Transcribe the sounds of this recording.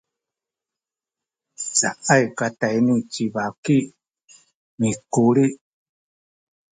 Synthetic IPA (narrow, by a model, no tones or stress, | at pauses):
t͡saʔaikat̪ainĩt͡ʃiβaki | mĩkuɾi